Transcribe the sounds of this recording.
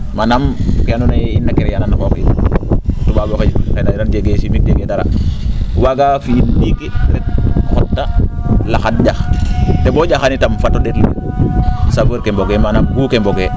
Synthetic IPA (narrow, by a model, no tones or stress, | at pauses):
manamkeanunajinːakeɾejananakok | tubaboked͡ʒkenaɾand͡ʒeɡesimik̚d͡ʒeɡedaɾa̰ | waɡafilːikiɾet̚xotːalaxat̚ɟaxteboɟaxanitamfatːoɗetlḭ | safoɾkemboɡemanambuːkemboɡe